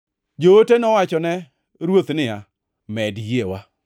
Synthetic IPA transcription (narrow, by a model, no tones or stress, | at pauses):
d͡ʒootenɔwat͡ʃɔnɛ | ɾwot̪nɪa | mɛdjewa